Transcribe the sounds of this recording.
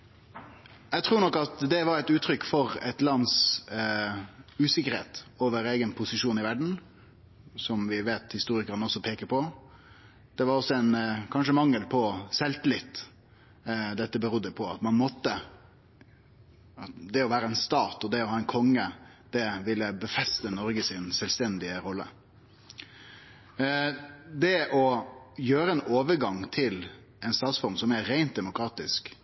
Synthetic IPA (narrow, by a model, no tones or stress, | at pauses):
ɛɪt̪ʰɾuːɾɳɔkːɑt̪d̪ɛʋɑɾɛɪt̪ʉːt̪ʰɾʏkːfɔɾɛ̰t̪lɑns | ʉːsɪkəɾheːt̪oːʋəɾeːɡənpʰʊsɪʂuːnɪʋæɖɳ̩ | sɔmʋɪʋeːt̪hɪst̪uːɾɪkəɾənəɔsːɔpʰeːkəpʰɔ | d̪̥ɛʋɑɾɔsɔɛnkʰɑnʂəmɑŋːəlpʰɔsɛlt̪əlɪt̪ː | d̪ɛt̪ːəbəɾʊd̪ːəpʰɔɑt̪mɑnmɔt̪ːə | ɑd̪ɛɔʋæːɾəɛnst̪ɑːt̪ɔd̪ɛɔhɑːɛnkʰɔŋːəd̪̥ɛʋɪlːəbəfɛst̪ənɔɾɡəsɪnsɛlst̪ɛnd̪ɪəɾɔlːə̰ | d̪ɛʔɔjøːɾəɛnoːʋəɾɡɑŋt̪ʰɪl | ɛɪnst̪ɑːt̪sfɔɾmsɔmæːæɪnt̪̚d̪ɛmʊkɾɑːt̪ɪsk